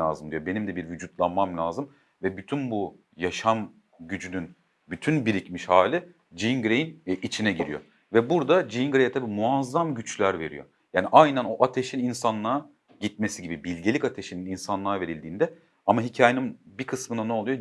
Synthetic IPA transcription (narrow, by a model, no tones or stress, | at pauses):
a̰ːzɯmd̪ijo̞be̞nimd̪ɛbiɾvyd͡ʒut̪lˠanmamlʲaːzɯm | vɛbyt̪ʰynbu | jaʃam | ɟyd͡ʒynyn | byt̪ʰynbiɾicmiʃhaːlʲi | d͡ʒiŋɡɾejinit͡ʃʰinɛɟiɾijo̞̰ | vɛbuɾd̪ad͡ʒinɡɾejɛt̪ʰabiːmuazːamɟyt͡ʃlʲæɾve̞ɾḭjo̞̰ | jaːniʔajnɛno̞ʔat̪ʰeʃininsanlˠa | ɟit̪̚me̞siɟibibilʲɟe̞lʲicat̪ʰe̞ʃinininsanlˠaːve̞ɾilʲd̪iːnd̪ɛ | amaɦicʰaːjeninbikʰɯsmɯnanɛo̞lˠujo